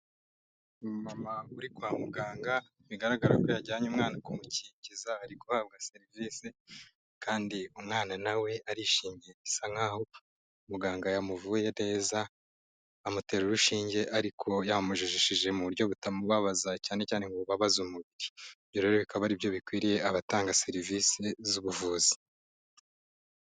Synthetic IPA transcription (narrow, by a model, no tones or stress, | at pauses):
mamauɾikwaːmuɡaːŋɡa | βiɡaɾaɡaɾa̰ko̞jaɟaːɲumŋaːnakumucicizaːɾikohaβ̚ɡaseɾivise | kaːndiumŋaːnanawe̞ʔaɾiʃiːɲeisaŋhaho̞ | umuɡaːŋɡajamuvujene̞ːza | amute̞ːɾuɾuʃiːɲɟe̞ʔaɾikʰo̞jamuʒiʒiʃiʒe̞muβuɾɟo̞βutamuβaβazacaːne̞caːne̞ŋɡoβaβazumuβiɾibjoɾe̞ɾoβikaβaɾibjo̞βikwiːɾije̞aβataːŋɡase̞ɾivisezuβuvuːzi̥